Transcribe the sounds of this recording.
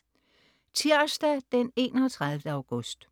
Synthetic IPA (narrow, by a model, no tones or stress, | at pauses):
t͡sʰiɐ̰sd̥æd̥ene̝̰ːnɐt͡sʰʁäðˠfdəɑ̈ʊɡ̥ɔsd̥